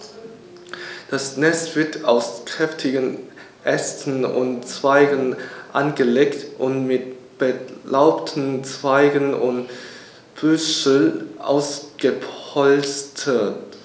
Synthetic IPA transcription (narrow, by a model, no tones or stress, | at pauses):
d̥asnɛstv̥ɪɐtʰaʊskʁ̥ɛftʰɪɡən | ʔɛstn̩ʊ̰ntt͡sv̥aɪɡənʔanɡəleːktʔʊntmɪt̚ | b̥əlaʊptʰn̩t͡sv̥aɪɡənʔʊ̰nt | b̥ʏsʔa̰ʊsɡ̥əpʰɔlstʰət